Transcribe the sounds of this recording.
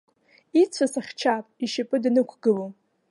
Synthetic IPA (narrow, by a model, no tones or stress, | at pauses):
it͡sʷʰasaχʲt͡ʃʰapʼiʃapʼɨdnɨkʷʰɡɨlo